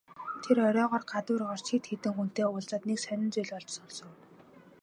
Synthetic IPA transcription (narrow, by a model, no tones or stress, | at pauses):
t̪ʰerɔɾʲɔːʁɔːrɢat̪ʊːrɢɔr̥t͡ɕiːt̪xet̪ɘ̆ŋxun̥t̪eːʊːɮt͡saːt̪neksœnʲɪ̆nt͡sʊjɮɔɮt͡ɕsʊɮsʊ̆ŋ